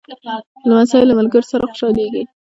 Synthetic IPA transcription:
lamasɑjɪlamalɡəɾsaɾaxʊ̥ʃɑleɡi

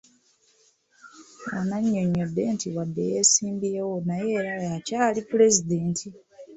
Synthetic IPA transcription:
onaɲːo̞ɲːo̞dːe̞ːntʰiwadːe̞̰je̞ːsiːmbiewo̞naje̞ːɾajacaːlipuɾe̞zide̞ːntʰi

